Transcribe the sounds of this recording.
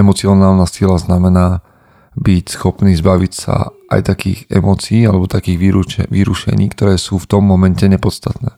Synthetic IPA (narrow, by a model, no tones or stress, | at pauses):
ɛmɔt͡sɪɔnaːlnasilaznamɛnaː | bicsxɔpniːzbaʋicsa̰ʔa̰jt̪akḭːɣɛmɔːt͡siiːalɛbɔt̪akiːɣʋʋiɾuʃɛ̰ɲiːkt̪ɔɾɛːsuːft̪ɔmːɔmɛncɛɲɛpɔt̪st̪at̪nɛː